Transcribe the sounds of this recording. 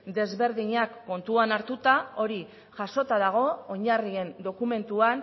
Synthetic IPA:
d̪e̞zβe̞ɾðiɲakːo̞nt̪uanaɾt̪ut̪ao̞ɾi | ʝaso̞t̪aðaɣ̞o̞ːɲarie̞nd̪o̞kume̞nt̪uan

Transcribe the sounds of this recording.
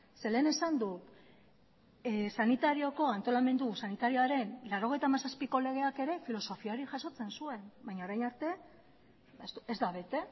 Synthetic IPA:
se̞le̞ːne̞sand̪u | sanit̪aɾio̞ko̞ant̪o̞lame̞nd̪usanit̪aɾio̞aɾe̞nlaɾo̞ɣ̞e̞jt̪amasaspiko̞le̞ɣ̞e̞ake̞ɾe̞filo̞so̞fiaɾiʝaso̞t͡se̞nsue̞mbajɲaoɾajnaɾt̪e̞ | esuezd̪aβ̞e̞t̪e̞

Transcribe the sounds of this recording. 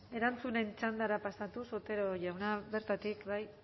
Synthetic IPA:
e̞ɾant͡sune̞nt͡ʃand̪aɾapasat̪usot̪e̞ɾoʝawnaβe̞ɾt̪at̪ikbaj

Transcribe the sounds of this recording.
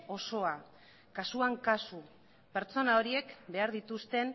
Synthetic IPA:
o̞so̞a | kasuaŋkasu | pe̞ɾt͡so̞nao̞ɾie̞kbe̞aɾðit̪ust̪e̞n

